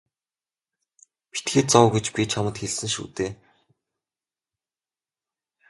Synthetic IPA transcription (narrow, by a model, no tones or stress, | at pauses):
pi̥t̪ɡeːt̪̚t͡sɔwɡet͡ɕpʲiːt͡ɕʰamə̆t̪xeɮsɘ̆ŋʃṵːt̪eː